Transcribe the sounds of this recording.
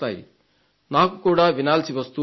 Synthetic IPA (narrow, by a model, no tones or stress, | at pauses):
t̪aj̰ | naɦkukoɽabinalt͡sʰibʌst̪u